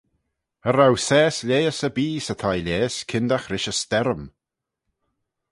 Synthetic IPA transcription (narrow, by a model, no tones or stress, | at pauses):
əɾawsɛːslʲeːəsəbiːsət̪ʰajlʲeːskʰɪnd̪axɾɪʃəst̪ɛɾəm